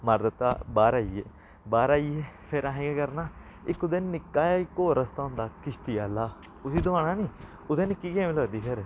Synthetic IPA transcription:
məɾd̪ət̪a̰ːbaːɾaːiːḛː | baːɾaːiːeːpʰeɾãːɦẽːɡekəɾnaː | ɪkːʊd̪enːɪkːaːjaːɪkːoːɾəst̪aːɦʊ̃nd̪aːkɪʃt̪iːaːlaː | ʊsiːd̪ʊʋaːɽ̃aːniː | ʊd̪eːnɪkːiːkẽːmɪloːd̪iːpʰeɾ

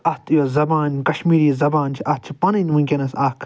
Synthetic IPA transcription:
ɐst̪ʰjoːzɐbaːnʲkɐʃmiːɾizɐbaːnt͡ʃʰiʔɐt̪̚t͡ʃʰi̥pɐnɨnʲʋũŋʲkʲenɐsaːkʰ

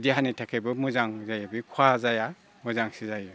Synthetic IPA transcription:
diɦanitʰakʰajbɯmuzaŋzajabikʰwazaja | muzaŋsizajɯ

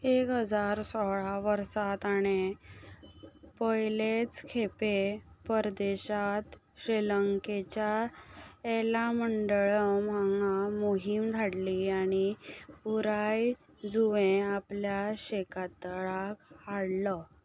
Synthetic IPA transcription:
ekɦəd͡zaɾsɔɭaʋəɾsat̪aɽ̃e | pəjlet͡skʰepepəɾd̪eɕat̪ | ɕɾeləŋket͡ɕja | elaməɳɖɭəmaŋamoɦimd̪ʱaɽliaɽ̃ipuɾaj | d͡zuʋẽapljaɕekat̪ɭakhaɽlə

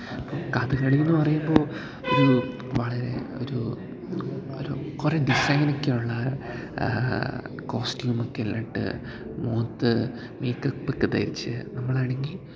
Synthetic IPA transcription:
ɐpːoːkaðɨɣɐɭiunːɨpɐrɐjumbo̞ː | o̞ɾu | ʋɐɭɐɾe̞̰o̰ɾu | oɾukureɖisɐjnokʲːeuɭːɐ | ko̞ːstjuːmokːelːɐʈːɨ̰ | moːt̪ːɨ | meːkːɐpːekːɨt̪ɐ̰ɾit͡ɕːɨ̰nɐmːɐɭaːɳe̞ŋɡil

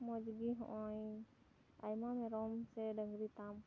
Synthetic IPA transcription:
mɔd͡ʒiɡiɦɔ̰̃ʔɔj | ajmamɛɾɔmsɛdəŋɡɾit̪am

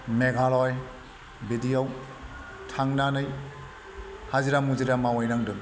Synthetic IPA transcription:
meɡʱalɔj | bidijɔw | tʰaŋnanɯj | haziɾamuziɾamawɔjnaŋdɯm

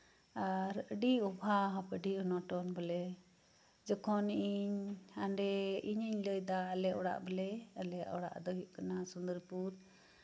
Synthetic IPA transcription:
aɾəɖiɔbʱaɦɔpəɖiɔnɔʈɔnbəlɛ | d͡ʒɔkʰɔniʔiɲaɳɖɛiɲəɲləjd̪aəlɛɔɽa̰ʔbəlɛəlɛɔɽa̰ʔd̪ɔɦuʔkanasund̪əɾpuɾ

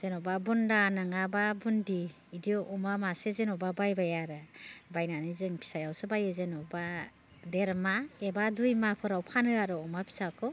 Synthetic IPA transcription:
z̥enɔbabundanɯŋababundiː | diʔɔmamasezenɔbabajbajaɾɯbajnanɯzɯŋpʰi̥sajawsɯbajezenɔba | deɾmaebadujmapʰɯɾawpʰanɯaɾɯɔmapʰi̥sakʰɔ

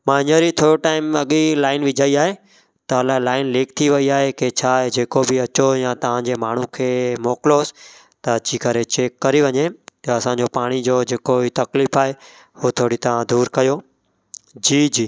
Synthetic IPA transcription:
mãːɪɲəɾit̪ʰoːɾuʈaːɪmɐɠilaːɪnʋɪd͡ʑʱaiaːɦe | t̪ɐəlãlaːɪnleːk̚t̪ʰiʋɐiaːɦeket͡ɕʰaːɦed͡ʑeːkobɪɐt͡ɕojãːt̪ɐʋ̤ãd͡ʑeːmaːɳ̤ũkʰeːmoːkɪloːs | t̪ɐɐt͡ɕikɐɾet͡ɕeːkːɐɾiʋɐɲet̪ɐɐsãːɲd͡ʑopaːɽ̃id͡ʑoːd͡ʑeːkoit̪ɐkliːfaːɦe | hot̪ʰoːɽit̪ɐʋ̤ãd̪uːɾkɐjoː | d͡ʑiːd͡ʑiː

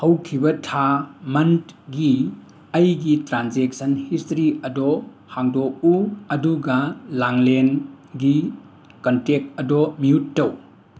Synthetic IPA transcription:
hɐwkʰibɐtʰamɐntɡi | ɐjɡitɾanzek̚sɐnhistɾiɐdɔ | haŋdɔuɐduɡɐlaŋlen | ɡi | kɐntek̚ɐdɔmiutːɐw

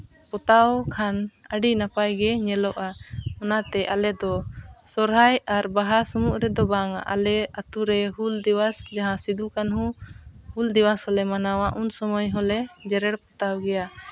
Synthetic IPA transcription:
pɔt̪awkʰanəɖinapajɡɛɲɛlɔʔaɔnat̪ɛʔalɛd̪ɔsɔɾɦajaɾbaɦasɔmuʔɾɛd̪ɔbaŋa̰ʔalɛat̪uɾɛɦuld̪iwasd͡ʒaɦãsid̪ukanɦũhuld̪iwashɔlɛmanawaʔunsɔmɔjɦɔlɛd͡ʒɛɾɛɽpɔt̪awɡɛja

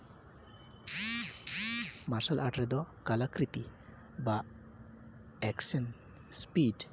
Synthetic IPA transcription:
maɾsalʔaʈɾɛd̪ɔkalakɾit̪i | ba | ɛksɛn | spid

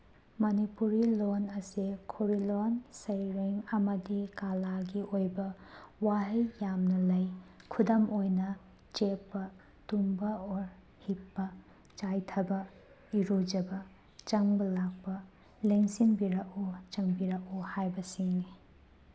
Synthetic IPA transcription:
mɐnipuɾilonɐsikʰoɾilonsɐjɾeŋɐmɐdikalaɡiʔojbɐwaɦɐjjamnɐlɐjkʰudɐmojnɐ | t͡ʃepːɐ | tumbɐoɾ | hipːɐ | t͡ʃajtʰɐbɐ | iɾud͡ʒɐbɐ | t͡ʃɐŋbɐlak̚pɐ | leŋsinbiɾɐkot͡ʃɐŋbiɾɐkohajbɐsiŋni

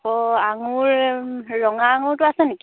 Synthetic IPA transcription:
ɔaŋʊɹː | ɔŋaːŋʊɹtʊasɛniki

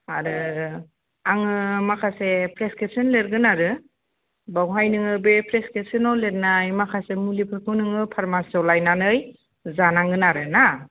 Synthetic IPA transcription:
aɾɯ | aŋɯmakʰasepʰɾeskep̚sinleɾɡɯnaɾɯ | bawɦajnɯŋɯbepʰɾeskesinɔleɾ̚najmakʰasemulipʰɯkʰɯnɯŋɯpʰaɾmasɔwlajnanɯj | zanaŋɡɯnaɾɯna

